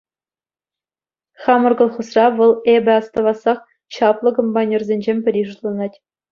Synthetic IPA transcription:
χɑmɤ̆rɡɤ̆lˠχɤ̆srɑʋɤ̆lˠebʲɘ̆ɑst̪ɤ̆ʋɑsɑχ | ɕɑplˠɤ̆kompɑnʲerzʲenʲd͡ʑemʲpʲɘ̆ɾʲiʐut̪lˠɑnɑtʲ

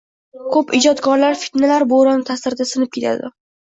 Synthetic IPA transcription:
kʰɵpɪd͡ʒɒt̪kʰɒɾlaɾfi̥t̪nalaɾboɾant̪ʰasɪɾd̪asɪnɪp̚kʰʲe̞t̪ʰa̰d̪ɪ̰

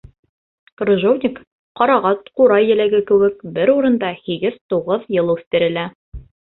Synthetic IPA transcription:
krŏʒovnʲik | qɑɾɑʁɑt̪quɾɑjːɘ̆læɡɘkɘ̆wɘkbɘɾuɾɤ̆nd̪ɑhiɡɘð̥t̪uʁɤðjɤlˠʉθt̪ɘ̆ɾɘ̆læ

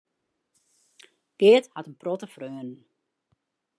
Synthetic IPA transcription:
kɪːəthatənprɔtəfrøːənən

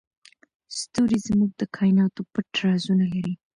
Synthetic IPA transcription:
st̪oɾizmuɡ̚d̪əkʰɑjnɑt̪opəʈɾɑzunalaɾi

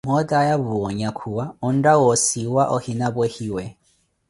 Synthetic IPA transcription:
mɔdajaβuɔɲakʰuwaɔn̩dawɔsiwaʔɔhinabehiwɛ

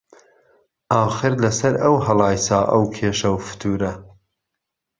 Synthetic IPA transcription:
ɑːxɨɾlɐsɐɾɐwhɐlˠɑːjsaːʔɐwkʰeːʃɐwfʊ̥t̪ʰuːɾɐ

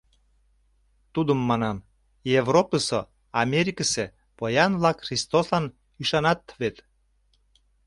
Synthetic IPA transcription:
t̪ud̪əmːɑnɑm | jevropəso̰ | ɑmʲeɾʲikəse | pojɑnβlɑkxrist̪oslɑn | yʃɑnɑt̪βet̪

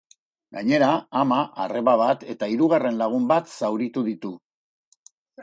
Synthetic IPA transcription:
ɡaɲe̞ɾaːmaʔare̞βaβ̞at̪e̞t̪aiɾuɣ̞are̞nlaɣ̞umbat̪sawɾit̪uðit̪u

